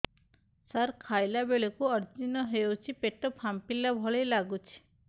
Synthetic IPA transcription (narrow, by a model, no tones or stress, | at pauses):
saɾkʰajlabeɭekuʌɾd͡ʒinɔɦewt͡ʃʰipeʈɔpʰampilabʱɔɭejlaɡut͡ʃʰi̥